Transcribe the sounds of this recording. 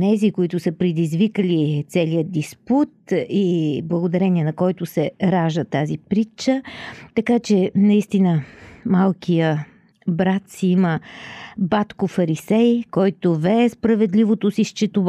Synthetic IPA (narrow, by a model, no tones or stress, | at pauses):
nɛzikoit̪ʊsəpɾɛd̪izvikəlit̪sɛlijəd̪isput̪iblˠəɡod̪ɐɾɛniɛnɐkɔjt̪ʊsɛɾaʒət̪azipɾit͡ʃət̪ɐkat͡ʃɛnɐist̪inəmalˠkijə | bɾat̪siimə | bat̪kofɐɾisɛjkɔjt̪ovɛːspɾɐvɛd̪livot̪osiʃt͡ʃɛt̪ʊv